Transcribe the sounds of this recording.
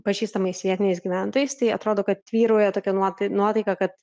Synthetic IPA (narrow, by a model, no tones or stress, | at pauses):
pɐʒʲiːst̪ɐmɐɪsʋʲiɛt̪ʲɪnʲɪsʲɡʲiʋʲæˑnt̪oːjɛɪst̪ɐɪɐt̪ɾoːd̪oːkɐt̪t̪ʲʋʲiːɾoːjɛt̪oːkʲɛnuɔt̪nuɔt̪ɐɪkɐkɐt̪